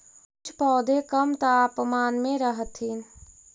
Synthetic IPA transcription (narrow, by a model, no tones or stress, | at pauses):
ʊt͡ʃʰpɔːd̪ekəmt̪əapmaːnmẽɾəɦət̪ɦiːn